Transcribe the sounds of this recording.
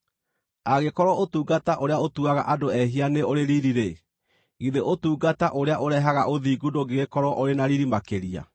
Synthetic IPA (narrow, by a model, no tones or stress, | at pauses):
aɣekɔɾɔotuːɡataʔoɾeaotuaɣa̰ʔadoɛɦianeoɾeɾiɾiɾe | ɣiðeʔotuːɡataʔoɾeaʔoɾɛɦaɣaʔoðiːɡundoɡeɣekɔɾɔʔoɾenaɾiɾimakeɾia̰